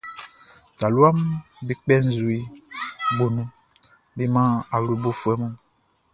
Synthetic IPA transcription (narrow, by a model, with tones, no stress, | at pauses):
ta˨lu˦a˦m | bi˨k͡pɛ˦n̩˨zu˨i˨ | ɡ͡bo˨nũ˦ | bi˦mã˦a˨wlu˨bo˦fu˨ɛ˦mɔ̃˦